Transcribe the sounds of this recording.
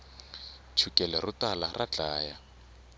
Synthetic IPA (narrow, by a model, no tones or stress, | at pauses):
t͡ʃʰukʼɛlɛrʊtalarʔat͡ɬaːja